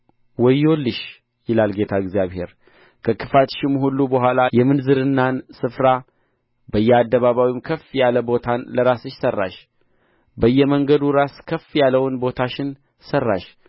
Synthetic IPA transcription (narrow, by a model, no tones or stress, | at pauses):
wɔjolːɨʃ | jɪlalɡe̞t̪ʰaɛɡzijaβhe̞̰ɾ | kʰəkʰɨfat̪ʃɪmhulːubəɦʷwalajɛmɨnzɨɾɨnːansɨfɾa | bəjːɛad̪ːəβaβawɪmkʰəfjaləbo̞t̪ʰanləɾasɨʃsərːa̰ʃ | bəjːɛməŋɡəd̪uɾaskʰəfjalːəwnbo̞t̪ʰaʃɪn | sərːa̰ʃ